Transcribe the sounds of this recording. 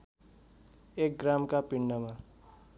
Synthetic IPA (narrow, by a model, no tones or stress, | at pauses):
ek̚ɡramkapiɳːʌma